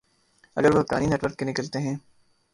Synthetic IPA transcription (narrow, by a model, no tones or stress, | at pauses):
ɐ̰ɡəɾʋoka̰ːninɛːʈʋəɾkːenɪkəlt̪eɦɛ̃ː